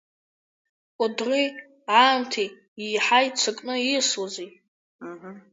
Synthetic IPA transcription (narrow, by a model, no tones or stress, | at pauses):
kʷʼʊdri | ʕaːmtʰi | iːħajt͡sʷʰakʼnɨiswazi